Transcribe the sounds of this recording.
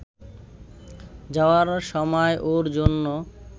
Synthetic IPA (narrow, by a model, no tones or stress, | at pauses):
d͡ʑaoaɾʃɔmɔeʔoɾd͡ʑonːo